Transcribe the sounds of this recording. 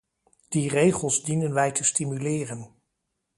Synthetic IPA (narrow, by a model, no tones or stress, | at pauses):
d̥irejχəlˠzdinənʋɛjtəstimylɪːrən